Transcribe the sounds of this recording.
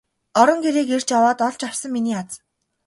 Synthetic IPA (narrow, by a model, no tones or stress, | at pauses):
ɔɾɞ̆ŋɡeɾeːker̥t͡ɕjawaːt̪ɔɮt͡ɕawsə̆ŋminiːat͡s